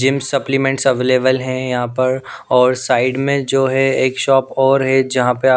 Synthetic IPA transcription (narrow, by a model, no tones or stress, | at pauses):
d͡ʒɪ̃msɐplimɛ̃ɳʈsɐʋeːleːʋəlɦɛ̃jɐɦãpɐɾ | ɔːɾsaːɪɖmẽd͡ʒoːɦɛeːkʃɔːpɔːɾɦɛd͡ʒɐɦãpɐɾ